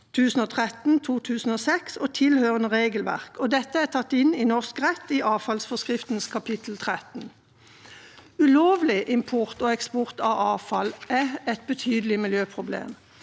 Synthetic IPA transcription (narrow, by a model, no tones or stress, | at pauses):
t̪ʰʉːsn̩oːt̪ʰʁɛt̪n̩t̪ʰuːt̪ʰʉːsn̩oːsɛksoːt̪ʰɪlhøːʁənəʁeːɡəlʋæ̰ʁkɔd̪ɛt̪ːəæt̪ʰɑt̪ːɪniːnɔʁskʁɛt̪ːiːʔɑːfɑlsfɔskʁɪft̪n̩skʰɑpʰɪt̪ʰl̩t̪ʰʁɛt̪n̩ | ʉloːʋlɪʔɪmpʰʊʁt̪oːɛkspʊʁt̪ɑʋɑːfɑlʔæɛt̪̚bət̪ʰyːd̪əlɪmɪljøːpʰʁʊblḛːm